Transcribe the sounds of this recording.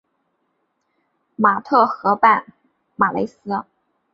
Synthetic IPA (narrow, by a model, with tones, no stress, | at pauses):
ma˨˩t̪ʰɤ˥˩xɤ˧˥pa˥˩n | ma˨˩lʔḛ˧˥ɪsɹ̩˥